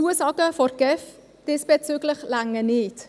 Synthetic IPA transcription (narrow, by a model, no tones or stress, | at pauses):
uəsɑːɡəfɔrɡ̥ɛf | d̥esb̥et͡syːɡləχlaŋənɪt